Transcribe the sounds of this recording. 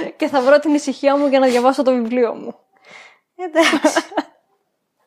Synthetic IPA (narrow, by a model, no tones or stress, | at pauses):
ce̞θɐvɾo̞t̪inisiçiɐmuʝɐnɐðʝɐvɐsot̪ovivlio̞̰mu | ed̪ɐ